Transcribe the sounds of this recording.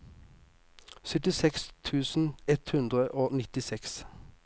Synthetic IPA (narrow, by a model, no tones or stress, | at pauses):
sœt̪ɪsɛkst̪ʰʉːsn̩ɛt̪hʉnd̪ʁəʔoːnɪt̪ɪsɛks